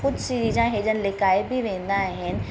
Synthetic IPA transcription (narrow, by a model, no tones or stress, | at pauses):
kʊd͡ʒʱsiɾiːzãɦeːd͡ʒənɪ̆lɪkaːɪbʱiʋẽːn̆d̪aɦɪnɪ̆